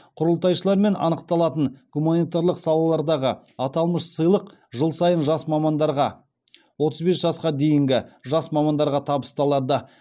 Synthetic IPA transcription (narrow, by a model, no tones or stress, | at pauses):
qʰʊɾəlˠt̪ɑjʃəlˠɑɾme̞nɑ̰nəqt̪ɑlˠɑt̪ənɡ̥umanijt̪aɾlˠəqsɑlˠɑlˠɑɾd̪ɑʁə | ɑt̪ɑlˠməʃsəjlˠəq | ʒəlˠsɑjənʒɑsmɑmɑnd̪ɑɾʁɑ | wo̞t̪əzbe̞sʒ̥ɑsqɑd̪e̞jɪŋɡʲɪʒɑsmɑmɑnd̪ɑɾʁɑt̪ʰɑbəst̪ɑlˠɑd̪ə